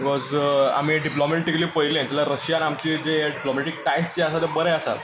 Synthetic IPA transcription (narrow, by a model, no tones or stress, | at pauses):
bikɔza̰miːɖiplomeʈikəliːpəjlẽt̪əlaɾəɕjanamt͡ɕiːd͡zeɖiplomeʈik̚ʈajst͡ɕeəsat̪ebəɾɛəsa̰t̪